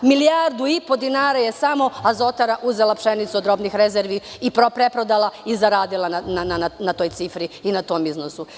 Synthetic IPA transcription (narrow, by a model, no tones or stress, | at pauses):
miliaːɾd̪uipo̞d̪inaːɾaje̞samo̞azo̞t̪aɾaʔuzelˠapʃenit̪suod̪ɾo̞bnixɾezeɾʋi | ipɾopɾepɾod̪alaizaɾaːd̪ilˠanananananat̪o̞ːjt̪sifɾiinat̪o̞ːmiznosu